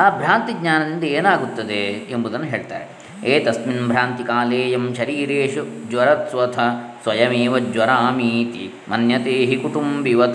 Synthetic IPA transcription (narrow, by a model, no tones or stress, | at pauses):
aːbʱɾaːnt̪iɡɲaːnɐnind̪ɐeːnaːɡut̪ːɐd̪eembɐd̪ɐnːɐɦeːɭt̪aːɾe | eːt̪ɐsminbʱɾaːnt̪ikaːleːjɐmʃɐɾiːɾeːʃud͡ʒwɐɾɐt̪ʋɐt̪ʰɐsʋɐjɐmeːʋɐd͡ʒwɐɾaːmiːt̪i | mɐnjɐt̪eːɦikuʈ̪umbiʋɐt̪